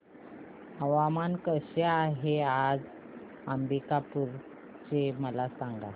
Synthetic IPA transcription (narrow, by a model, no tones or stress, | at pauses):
əʋamankəɕeaɦead͡z | ambikapuɾ | t͡ɕeməlasaŋɡa̰